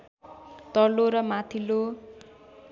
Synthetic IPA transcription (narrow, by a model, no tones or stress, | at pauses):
t̪ʌloɾʌmat̪ʰilo